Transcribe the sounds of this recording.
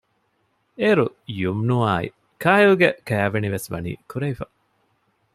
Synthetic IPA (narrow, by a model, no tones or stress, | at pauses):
eːɾujumnuaːḭ | kʰaːjuːɡekæːʋeniʋesʋɐ̰nḭːkuɾeifɐ